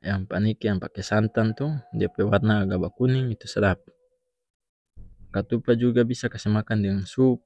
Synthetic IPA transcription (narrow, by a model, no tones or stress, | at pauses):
jaŋpanikiaŋpakɛsant̪ant̪udiapɛwarnaːɡabakuniŋit̪usaɾap̚ | kat̪upad͡ʒuɡabisakasɛmakandɛŋsup̚